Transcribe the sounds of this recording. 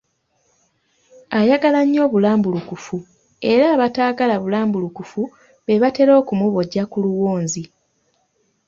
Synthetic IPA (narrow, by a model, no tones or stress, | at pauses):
ajaɡalaɲːo̞ːβulaːmbulukufu | e̞ɾaːβataːɡalaβulaːmbulukufu | βe̞βate̞ɾo̞ːkumuβo̞ɟːakuluwoːnzi